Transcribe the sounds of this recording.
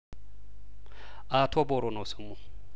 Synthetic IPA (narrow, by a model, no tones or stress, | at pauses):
atʰɔbɔɾɔnɔsumu